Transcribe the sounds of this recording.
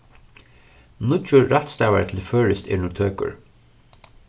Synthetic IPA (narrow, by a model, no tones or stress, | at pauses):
nʊt̪ʊɾaht̪st̪aːwat̪ʰɪlfœːɹɪst̪ɛ̰ːɾnuːt̪ʰøːkʊ̰ɹ